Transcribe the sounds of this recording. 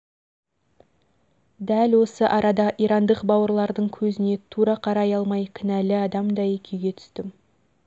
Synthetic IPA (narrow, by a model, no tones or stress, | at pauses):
d̪ælwo̞səʔɑɾɑd̪ɑʔiɾɑnd̪əqbɑwəɾlˠɑɾd̪əɴkʲʰɵzɪne̞t̪ʰuɾɑqʰɑɾɑjɑlˠmɑjkʲʰɪnælɪɑd̪ɑmd̪ɑjekʲʰe̞wɡʲe̞t̪ʰʏ̥st̪ɪm